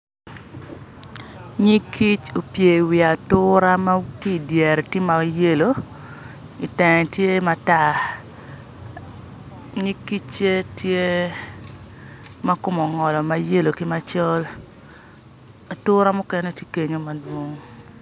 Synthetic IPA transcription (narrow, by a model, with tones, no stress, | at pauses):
ɲɪ˦kʰi˦t͡ʃo˨pje˨wɪ˨a˨tʊ˦ɾa˦ma˦ki˦˨djɛ˨ɾi˨tɪ˦ma˨je˦lo˨ | i˨tɛ˨ŋɛ˨tje˦ma˦ta˦˨ | ɲi˦ki˦t͡ʃe˦tje˦ | ma˦kʊ˦mɔ˨ŋɔ˨lɔ˨ma˦je˦lo˨kɪ˦ma˦t͡ʃɔ˦l | a˨tʊ˦ɾa˦mʊ˦kɛ˦nɛ˦˨tje̥˦ke˦ɲo˦ma˨dwo˦ŋ